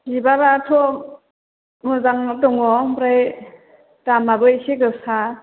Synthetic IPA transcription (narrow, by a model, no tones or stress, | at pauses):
ɡibabaːtʰɔ | mɯzaŋtɔŋɔpɾaj | tamabɯseɡɯsa